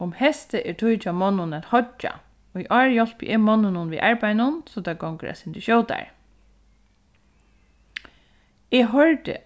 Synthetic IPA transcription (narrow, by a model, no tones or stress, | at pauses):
ʊmhɛst̪əʔɛɹt̪ʰujt͡ʃamɔnːʊnæt̪hɔt͡ʃːa̰ | ɔiʔɑːɹjɔl̥pjʔɪmɔnːʊnʊnʋḭːʔaɹpajnʊnsɔt̪ʰaɡɔwŋkə̰æ̰sɪnt̪ɪʃjɔːwt̪a̰ɹ | ɛɦɔɹt̪ɪ̰